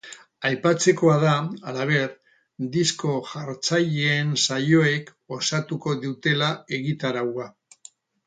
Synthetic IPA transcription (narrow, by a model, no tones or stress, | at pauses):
ajpat͡se̞ko̞aðaalaβ̞e̞ɾ | d̪isko̞ʝaɾt͡saʎeːnsaʎo̞e̞k | o̞sat̪uko̞ðut̪e̞lae̞ɣit̪aɾawa